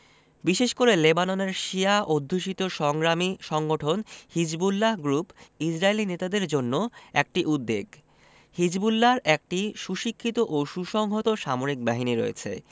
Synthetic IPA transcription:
biʃeʃkoɾelebanoneɾʃiaʔod̪ʱːuʃit̪oʃɔŋɡɾamiʃɔŋɡoʈʰonhid͡ʑbulːaɦɡɾupid͡ʑɾaelinet̪ad̪eɾd͡ʑonːoɛk̚ʈiʔud̪ːeɡ | hid͡ʑbulːaɾɛk̚ʈiʃuʃikʰːit̪oʔoʃuʃɔŋɦot̪oʃamoɾik̚baɦiniɾo̰ḛt͡ɕʰḛ

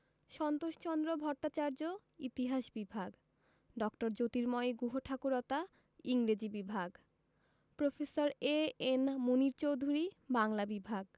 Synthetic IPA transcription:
ʃɔnt̪oʃt͡ɕɔnd̪ɾobʱɔɾʈ̪at͡ɕaɾd͡ʑo | it̪iɦaʃbibʱaɡ | ɖɔkʈoɾd͡ʑot̪iɾmɔeɡuɦoʈʰakuɾɔt̪a | iŋɾed͡ʑibibʱaɡ | pɾofʰesoɾeenmuniɾt͡ɕowd̪ʱuɾibaŋlabibʱaɡ

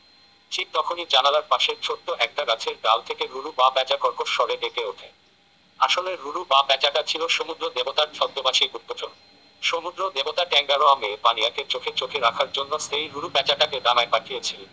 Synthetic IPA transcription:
t͡ɕik̚t̪ɔkʰonid͡ʑanalaɾpaʃeɾt͡ɕʰoʈːoʔɛk̚ʈaɡat͡ɕʰeɾɖa̰lt̪ʰekeɾuɾubabɛt͡ɕakɔɾkoɾʃɔɾeneʈeoʈʰa | aʃoleɾuɾubabɛt͡ɕaʈat͡ɕʰiloʃomud̪ɾod̪ebot̪aɾt͡ɕʰɔd̪ːobaʃiɾut̪ːot͡ɕon | ʃomud̪ɾod̪ebot̪aʈɛŋɡaɾoamepanijakeɾt͡ɕokʰet͡ɕokʰeɾakʰaɾd͡ʑonːosejɾuɾubɛt͡ɕaʈaked̪amaepaʈʰijet͡ɕʰil

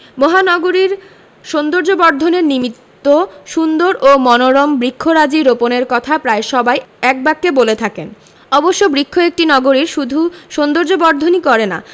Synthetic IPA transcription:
mɔɦanɔɡoɾiɾ | ʃond̪oɾd͡ʑobɔɾd̪ʱoneɾnimit̪ːoʃund̪oɾʔomɔnoɾɔmbɾikʰːoɾad͡ʑiɾoponeɾkɔt̪ʰapɾaeʃɔbajɛk̚bakːebolet̪ʰaken | ɔboʃːobɾikʰːoek̚ʈinɔɡoɾiɾʃud̪ʱuʃond̪oɾd͡ʑobɔɾd̪ʱonikɔɾena̰

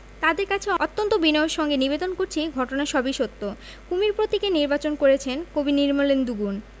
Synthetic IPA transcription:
t̪ad̪eɾkat͡ɕʰeot̪ːont̪obinoeɾʃɔŋɡenibed̪onkoɾt͡ɕʰiɡʱɔʈonaeʃɔbiʃot̪ːo | kumiɾpɾot̪ikeniɾbat͡ɕonkoɾet͡ɕʰenkobiniɾmolend̪uɡun

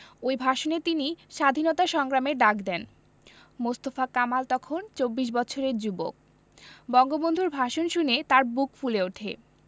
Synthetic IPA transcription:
ojbʱaʃonet̪iniʃad̪ʱinɔt̪aʃɔŋɡɾameɖakd̪ɛn | most̪ofakamalt̪ɔkʰont͡ɕobːiʃ̬bɔtːt͡ɕʰoɾeɾd͡ʑubo̰k̚ | bɔŋɡobond̪ʱuɾbʱaʃonʃunet̪aɾbukfuleoʈʰḛ

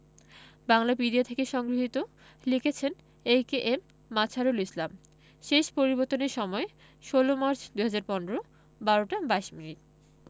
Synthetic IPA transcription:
baŋlapid̪iat̪ʰekeʃɔŋɡɾiɦit̪o | liket͡ɕʰen | ejkeʔemː | at͡ɕʰaɾolislam | ʃeʃpoɾiboɾt̪ːoneɾʃɔmɔe | ʃolomaɾt͡ɕʰd̪uɦad͡ʑaɾpɔnɾo | baɾoʈabaeʃminiʈ̚

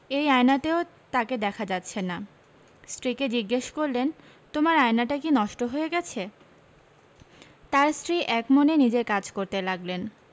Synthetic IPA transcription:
ejajnateot̪aked̪ɛkʰad͡ʑatːɕʰena | sʈɾiked͡ʑiɡːeʃkoɾlen | t̪omaɾajnaʈakinɔʃʈoɦoeɡɛt͡ɕʰe | t̪aɾsʈɾiʔɛkmonenid͡ʑeɾkad͡ʑkoɾt̪elaɡlen

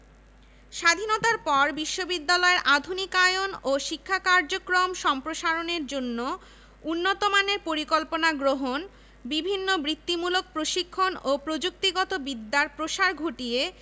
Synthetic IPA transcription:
ʃad̪ʱinot̪aɾpɔɾbiʃːobid̪ːalɔeɾʔad̪ʱunikajonoʃikʰːakaɾd͡ʑokɾomʃɔmpɾoʃaɾoneɾd͡ʑonːo | unːot̪omaneɾpoɾikolponaɡɾoɦon | bibʱinːobɾit̪ːimulok̚pɾoʃikʰːonopɾod͡ʑuk̚t̪iɡɔt̪obid̪ːaɾpɾoʃaɾɡʱoʈije

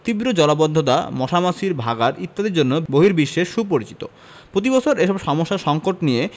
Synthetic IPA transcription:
t̪ibɾod͡ʑɔlabod̪ʱːot̪̬a̰mɔʃamaʃiɾbʱaɡaɾit̪ːad̪eɾd͡ʑonːoboɦiɾbiʃːeʃup̬oɾit͡ɕit̪o̰ | pɾot̪̬ibɔt͡ɕʰoɾeʃɔbʃɔmoʃːaɾʃɔŋkoʈnije

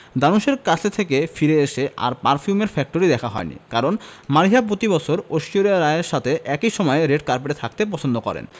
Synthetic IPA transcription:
d̪anuʃeɾkat͡ɕʰet̪ʰekefiɾeeʃeʔa̰ɾpaɾfʰjumeɾfɛk̚ʈoɾid̪ɛkʰaɦɔ̰enḭkaɾonmaɾiɦapɾot̪ibɔt͡ɕʰoɾoʃioɾaɾaeɾʃat̪ʰeʔɛkiʃɔmɔeɾeɖ̚kaɾpeʈet̪ʰak̚t̪epɔt͡ɕʰond̪okɔ̰ɾḛn

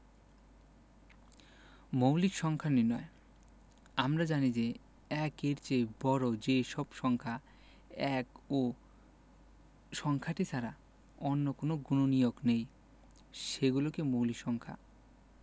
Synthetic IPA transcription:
mowlikʃɔŋkʰaninɔe | amɾad͡ʑanid͡ʑe | ɛkeɾt͡ɕebɔɾod͡ʑeʃɔbʃɔŋkʰa | ɛko | ʃɔŋkʰaʈit͡ɕʰaɾa | onːokonoɡunonijoɡnej | ʃeɡulokemowlikʃɔŋkʰa̰

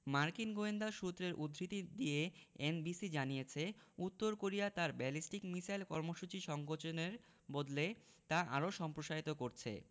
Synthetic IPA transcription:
maɾkinɡoend̪aʃut̪ːɾeɾʔud̪ʱɾit̪id̪ieenbisid͡ʑanijet͡ɕʰeut̪ːoɾkoɾijat̪aɾbɛlisʈikmisajlkɔɾmoʃut͡ɕiʃɔŋɡot͡ɕoneɾ | bod̪le | t̪aʔa̰ɾoʃɔmpɾoʃait̪okoɾt͡ɕʰḛ

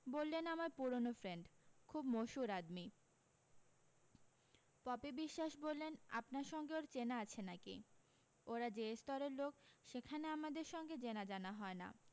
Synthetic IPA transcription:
bolːenamaɾpuɾonofɾeɳɖkʰubmoʃuɾad̪mi | pɔpibiʃːaʃbolːena̰pnaɾʃɔŋɡeoɾt͡ɕenaat͡ɕʰenakḭ | oɾad͡ʑest̪ɔɾeɾlokʃekʰaneamad̪eɾʃɔŋɡed͡ʑenad͡ʑanaɦɔena̰

